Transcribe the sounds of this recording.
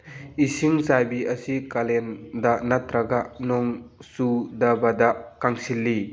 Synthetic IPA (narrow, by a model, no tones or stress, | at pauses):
isiŋzajbiʔɐsikalendanat̪ɾaɡanɔŋsudabadakaŋsilːi